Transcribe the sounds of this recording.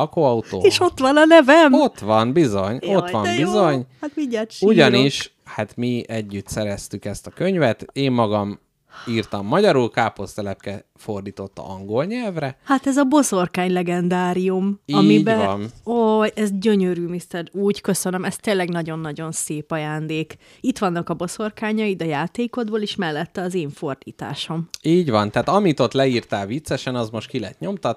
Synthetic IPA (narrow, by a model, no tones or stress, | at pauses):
ɒkoɒut̪o̰ːeʃo̞t̪ʋɒnɒnɛvɛmot̪ʋɒnbizo̞ɲot̪ʋɒmbizo̞ɲhat̪miɲːat̪ʃuɟɒniʃ | hat̪miɛɟːyt̪sɛɾɛst̪ykɛst̪ɒkøɲvɛt̪eːmːɒɡɒm | iːrt̪ɒmːɒɟɒɾulkaːpost̪ɛlɛp̚kɛ | ford̪iːt̪o̞t̪ːɒ̰ɒŋɡo̞lɲɛlvrɛhat̪ɛzɒbo̞zo̞rkaːɲlɛɡɛnd̪aːɾijumɒmibɛnojɛzɟø̞ɲøɾyːmist̪ɛɾuːɟkø̞sønømɛst̪eːnlːɛɡnɒɟo̞nːɒɟo̞nseːpɒjaːnd̪eːk | it̪ʋɒnːɒkɒbo̞so̞rkaːɲɒid̪ɛjaːt̪eːko̞d̪boːleːʃmɛlːɛt̪ːɛɒzeːɱfo̞rd̪̥ḭːt̪a̰ːʃo̞miːɟʋɒnt̪ɛːt̪ɒmit̪o̞t̪lɛiːrt̪aːlvit̪sɛʃɛnɒzmo̞ʃt̪kilɛɛt̪ɲo̞mt̪ɒt̪